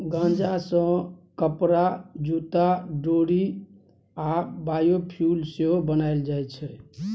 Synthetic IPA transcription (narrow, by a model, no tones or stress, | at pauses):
ɡãd͡ʒasə̃kəpɾad͡ʒut̪aɖoɽi | abajopʰjulseɦobənaɪld͡ʒajt͡ʃʰɛ